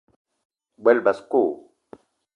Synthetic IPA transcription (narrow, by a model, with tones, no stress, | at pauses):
bɛ˦lba˨skoː˦˨